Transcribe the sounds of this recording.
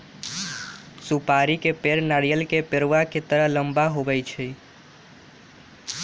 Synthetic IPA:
supaɾikepeɾnaɽijəlkepeɾʋaket̪əɾəɦləmbaɦobɛjt͡ʃʰɛ

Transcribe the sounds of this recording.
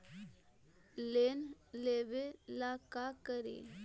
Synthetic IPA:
leːnleːʋelakakəɾḛː

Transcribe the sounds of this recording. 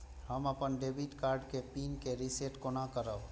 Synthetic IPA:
həməpənɖeːbiʈkaːɾɖkepiːnkeɾiseːʈkonakəɾəb

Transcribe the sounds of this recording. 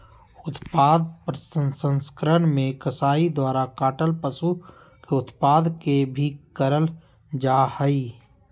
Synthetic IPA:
ʊt̪paːd̪pəɾsənsə̃nskəɾənmẽkəsaːid̪waːɾakaːʈəlpəsu | keʊt̪paːd̪kebʱikəɾəl | d͡ʒaːhəi

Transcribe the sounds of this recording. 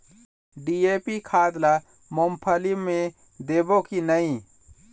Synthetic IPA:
ɖieːpikʰaːd̪la | mompʰəlimẽ | d̪eːbokinəĩ

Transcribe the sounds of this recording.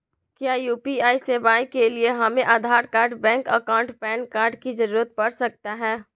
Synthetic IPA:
kjaːjuːpiaːiseːbaːĩkelieɦɐmẽʔaːd̪ʱaːɾkaːɾɖbɛ̃ːŋkəkaːʊ̃ɳʈpɛ̃ːnkaːɾɖkid͡ʒəɾuːɾət̪̚pɐɽsɐk̚t̪aɦɛː

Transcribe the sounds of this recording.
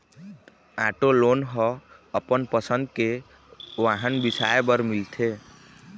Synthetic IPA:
ãʈolonɦɔəpənpəsənd̪ke | ʋaɦənbisaebəɾmilt̪ʰe

